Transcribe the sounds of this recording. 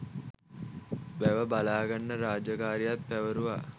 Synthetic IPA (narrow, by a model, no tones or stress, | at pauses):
ʋæʋəbalaːɡanːəɾaːd͡ʒakaːɾijat̪̚pæʋəɾuʋa